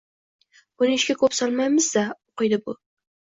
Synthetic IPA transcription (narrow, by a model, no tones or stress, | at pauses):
bʊnɪɪʃkʲakʰɵpsɒlˠmajmɪzd̪aoqɨjd̪ɪbʊ